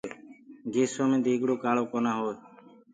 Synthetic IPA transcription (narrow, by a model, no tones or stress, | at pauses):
ɡeːsoːmẽːd̪iːɡɽoːkaːloːkoːnaːɦoː